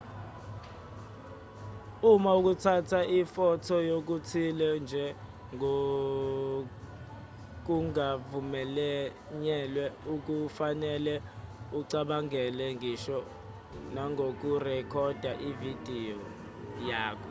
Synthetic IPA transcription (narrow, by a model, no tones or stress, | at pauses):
umauk̬utʰatʰaʔifɔtʰɔjok̬utʰilɛnd͡ʒʱɛ | ŋo | k̬uŋavumɛlɛ | ɲɛlwɛuk̬ufanɛlɛuǀaɓaŋɛlɛŋʱiʃɔ | naŋʱok̬urɛkʰɔd̥ʱaʔivid̥ʱiɔ | jaːkʰɔ